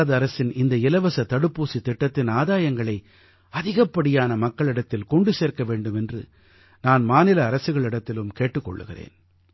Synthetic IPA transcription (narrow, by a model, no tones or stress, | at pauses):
ɐðɯɐɾɐsɪnɪnd̪ɐɪlɐʋɐsɐt̪ɐɽɯpːuːsit̪ɪʈːɐt̪ːɪnaːðaːjɐŋɡɐɭɐɪ | ɐðɪɣɐpːɐɽɪjaːnɐmɐkːɐɭɪɽɐt̪ːɪlkɔɳɖɯseːɾkɐʋeːɳɖɯmɛndrɯ̰ | naːnmaːnɪlɐːɾɐsɯɣɐɭɪɽɐt̪ːɪlɯmkeːʈːɯkːɔ̰ɭːɯɣɪrḛːn